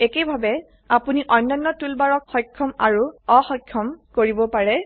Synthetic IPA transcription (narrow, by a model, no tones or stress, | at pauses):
ekejbʱabɛ | apuniʔɔjnːajnːɔtulbaɹɔkxɔjkʰːɔmaɹuɔxɔjkʰːɔmkoɹibɔpaɹɛ